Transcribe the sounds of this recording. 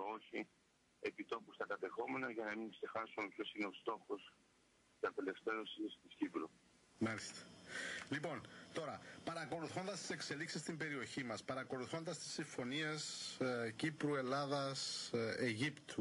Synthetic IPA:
o̞çi | e̞pit̪o̞pust̪ɐkɐt̪e̞xo̞me̞nɐʝɐnɐmiŋkse̞xɐsumepço̞sine̞o̞st̪o̞xos | sɐp̪ele̞fθeɾosist̪iscipɾu | mɐlist̪ɐ̥lipo̞nt̪o̞ɾɐpɐɾɐko̞luθo̞nd̪ɐst̪i̥se̞kse̞liksist̪imbe̞ɾio̞çimɐspɐɾɐko̞luθo̞nd̪ɐst̪i̥sːiɱfo̞niescipɾue̞lɐðɐseʝipt̪u

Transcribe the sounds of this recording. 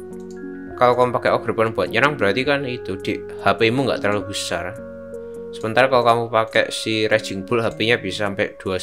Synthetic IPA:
kalokamupakɛʔɔɡ̥ɾə̤pɔnb̥uat̪̚ɲanaŋb̥əɾat̪ikanit̪ud̪̥eʔ | hapeimuŋɡa̰ʔt̪əɾaluɡussaɾa | səmənt̪arkalokamupakɛ̰ʔsiɾɛd̥ʒ̥i̤ŋb̥ʊlɦapeɲab̥isaampɛʔd̪̥ua

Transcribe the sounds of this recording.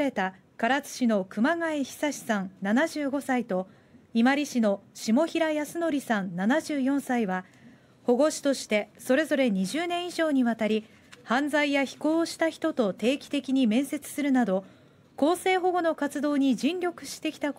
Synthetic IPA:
ɾe̞t̪a | kaɾat͡sɨ̥ɕino̞kɯ̟maŋaeçi̥saɕi̥sãnnanaʑɨːɡo̞sait̪o̞ | imaɾʲiɕino̞ɕimo̞çiɾajasɨno̞ɾʲisãnnanaʑɨːjõ̞ɰ̃saiβa | ho̞ɡo̞ɕi̥t̪o̞ɕi̥t̪e̞so̞ɾe̞zo̞ɾe̞ɲ̟iʑɨːnẽ̞ɰ̃iʑo̞ːɲ̟iβat̪aɾʲi | hãnd͡zaijaçi̥ko̞ːɕi̥t̪açi̥t̪o̞t̪o̞t̪e̞ːkʲi̥t̪e̞kʲiɲ̟imẽ̞ɰ̃se̞t͡sɨ̥sɨɾɯ̟nad̪o̞ | ko̞ːse̞ːɦo̞ɡo̞no̞kat͡sɨd̪o̞ːɲ̟id͡ʑĩnɾʲo̞kɯ̟̥ɕi̥t̪e̞kʲi̥t̪a

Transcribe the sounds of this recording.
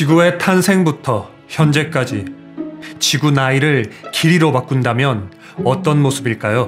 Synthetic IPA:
t͡ɕiɡue̞tʰansʰe̞ŋbutʰʌ | çjʌnd͡ʑe̞k͈ad͡ʑi | t͡ɕiɡunaiɾɯɭkiɾiɾobak͈undamjʌn | ʌt͈ʌnmosʰɯbiɭk͈ajo

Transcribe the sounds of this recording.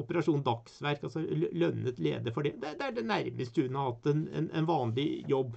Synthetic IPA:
ʊpəɾɑʂuːnd̪ɑksʋæɾkɑlsɔlœnːət̪lḛːd̪əfɔɖɛd̪ɛd̪ɛæɖɛnæɾməst̪ʉːnɑʋɑt̪ɛnɛ̰nɛ̰nʋɑːnlɪjɔbː

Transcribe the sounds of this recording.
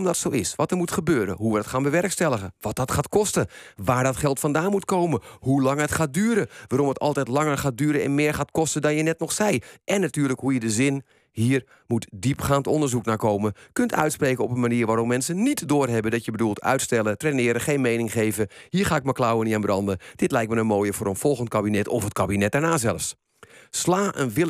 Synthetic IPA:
mdɔtsoːɪsʋɔtərmutχəbøːɾə̰ɦuʋədɔtxaːnbəʋɛrkstɛlˠəɣəʋɔt̚dɔːtχaːtkɔstəʋaːɹdɔtχɛlˠtfɔndaːnmutkoːwməhulɑŋətxaːt̚dyːɾəʋaːɾɔmətɔ̰lˠtɛjtlɑŋərχaːt̚dyːɾənɛ̰nmɪːɹxaːtkɔstədɔnjənɛtnɔxsɛjʔɛnːatyːrləkhujədəzɪn | hiːər | mutdipxaːntɔndərzuknaːkowməkøntʰœ̰ɥtspreːkəɔpənmaniːɹʋaːɾɔpmɛnsənitdoːrɦɛbəndɔtjəbədulˠtʰœ̰ɥtstɛlˠətrenɪːɾəxejnmejnɪŋχeːvəhiːɹxaːɪk̚maklawənianbrɑndəd̥ɪtlɛjk̚tmənənmoːjəfoːɾənfɔlˠɣənt̚kabinɛtɔfətkabinɛt̚dɛɹnaːzɛlˠəfs | slaːʔənʋɪl

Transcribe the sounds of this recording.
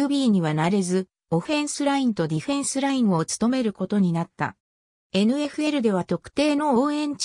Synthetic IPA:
ɯbʲiːɲ̟iβanaɾe̞zɨ | o̞ɸẽ̞ɰ̃sɨɾaĩnt̪o̞d̪ʲiɸẽ̞ɰ̃sɨɾaĩɰ̃o̞t͡sɨ̥t̪o̞me̞ɾɯ̟ko̞t̪o̞ɲ̟inat̪ːa̰ | e̞nɯ̟e̞ɸɯ̟e̞ɾɯ̟d̪e̞β̞at̪o̞kɯ̟̥t̪e̞ːno̞oːẽ̞ɲ̟t͡ɕ

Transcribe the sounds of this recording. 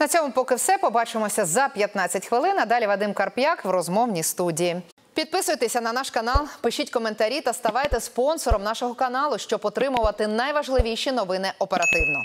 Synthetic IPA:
nɐt͡sʲɔmʊpɔkɪwsɛpɔbɑt͡ʃɪmɔsʲɐzɐpʲjɐt̪nɑt͡sʲːɐtʲxʋɪlˠɪnɐd̪ɑlʲiʋɐd̪ɪmkɐrpjakʋɾɔzmɔwnʲist̪udʲiji | pʲid̪̚pɪsʊjt̪esʲɐnɐnɑʃkɐnɑlˠpɪʃʲitʲkɔment̪ɐɾʲit̪ɐst̪ɐʋɑjt̪ɛspɔnsɔɾɔmnɑʃɔɦɔkɐnɑlˠʊʃt͡ʃɔpɔt̪ɾɪmʊʋɐt̪ɪnɐjʋɐʒlˠɪʋʲijʃʲinɔʋɪnɪʔɔpeɾɐt̪ɪwnɔ̰

